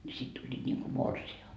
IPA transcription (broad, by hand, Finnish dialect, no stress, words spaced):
nʲi sit tulʲːiːt nʲiŋku morsiɑ lɑhjɑks